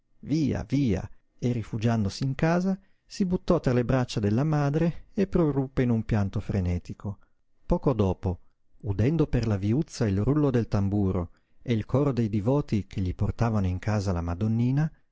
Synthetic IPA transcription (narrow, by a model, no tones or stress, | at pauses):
viːa̰viːa̰ | erːifud͡ʒand̪osiːŋkaːza | sibut̪ːɔt̪ːɾalebɾat͡ʃːad̪elːamaːd̪ɾeepːɾorupːeinumpjant̪ofɾenɛːt̪ikʰo | pɔːkod̪ɔːpo | ud̪ɛnd̪operlaviut̪sːailrulːod̪elt̪ambuːɾo̰ | eilkʰɔːɾod̪ejd̪ivɔːt̪ikʰeʎːiport̪aːvanoiŋkʰaːzalamad̪onːiːna